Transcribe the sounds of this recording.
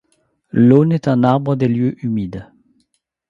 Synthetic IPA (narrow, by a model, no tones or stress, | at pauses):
loːnet̪ɑ̃naʁbʁəd̪eljøʔymiːd̪